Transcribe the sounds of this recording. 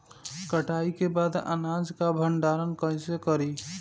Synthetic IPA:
kəʈaikebad̪ə̰nad͡ʒkabʱəɳɖaɾənkə̃ɪ̃sekəɾi

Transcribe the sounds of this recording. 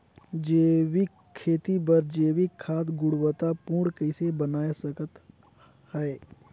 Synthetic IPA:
d͡ʒeːwikʰːeːt̪ibəɾd͡ʒeːwikʰːaːt̪ɡʊɽwət̪apũːɽkəɪsebənaːesəkət̪ | hɛe

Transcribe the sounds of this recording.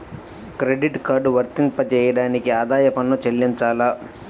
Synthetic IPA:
kɾeɖiʈkaːɖʋɐɾt̪iŋpɐt͡ʃɛːjɐɽaːnikiaːd̪aːjɐpɐnːut͡ʃelːiɲt͡ʃaːlaː

